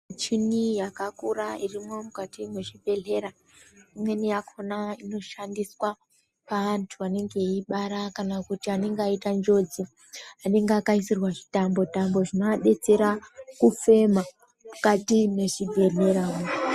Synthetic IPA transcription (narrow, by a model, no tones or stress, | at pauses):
t͡ʃinijakakurairimwo̞mukatimwe̞ʐibʱe̞ɮe̞ɾa | imwe̞nijakʰo̞naino̞ʃandiswa | paʋantʰuane̞ŋɡe̞iɓaɾakanakutiane̞ŋɡeaitand͡ʒo̞d͡zi | ane̞ŋɡeakaisirwaʐi̥tambo̞tambo̞ʐinoaɗe̞t͡se̞ɾakufe̞ma | mukatine̞ʐibʱe̞ɮe̞ɾa